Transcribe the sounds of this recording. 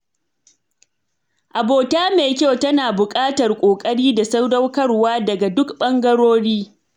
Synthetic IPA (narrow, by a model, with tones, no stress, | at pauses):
ʔa˨boː˨taː˦meː˨kʲo˦wtɐ˦naː˨bʊ˨kʼaː˦tɐ˨rkʷʼoː˨kʼɐ˦ɽiː˦da˨sa˦wdɐ˦wkɐ˦rwaː˦dɐ˨ɡa˨dʊ˦kɓɐ˦ŋɡɐ˦ɽoː˦ɽiː˦